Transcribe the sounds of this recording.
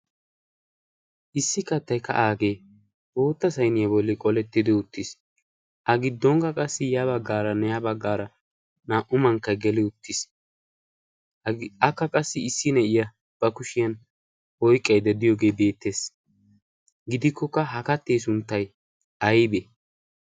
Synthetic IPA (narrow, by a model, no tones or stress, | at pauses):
ʔɪsːɪkɐt̪ːɐjkɐ̰ʔaːɡe̞ː | bo̞ːt̪ːɐsɐjnɪjɐbɔlːɪkʼɔlɛt̪ːɪd̪ɪʊt̪ːɪs | ʔɐɡɪd̪ːɔŋkɡɐkʼɐsːɪjɐβɐɡːaːɾɐnɛjɐbɐɡːaːɾɐ | naːʔʊmɐŋkːɐjɡɛlɪʊt̪ːɪs | ɐkːɐkʼɐsːɪɪsːɪnɛɪjɐ | b̥ɐkʊʃɪjɐn | ɔjkʼːɐjd̪ɛd̪ɪjoːɡe̞ːbe̞ːt̪ːe̞ːs | ɡɪd̪ɪkːɔkːɐɦɐkɐt̪ːeːsʊnt̪ːɐj | ʔɐjbe